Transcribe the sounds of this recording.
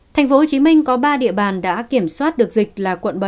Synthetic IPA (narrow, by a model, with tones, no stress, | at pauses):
t̪ʰɛ˨˩ŋ̟fo˨˦ho˨˩t͡ɕi˨˦mï˧ŋ̟kɔ˨˦ɓaː˧ɗḭ˧˨əɓaː˨˩nɗa̰ː˧˥ki˧˩əmswaː˦˥t̚ɗɨ˨˩ək̚zi˨˩k̟̚laː˨˩kwə̰˧˨nɓə˨˧˩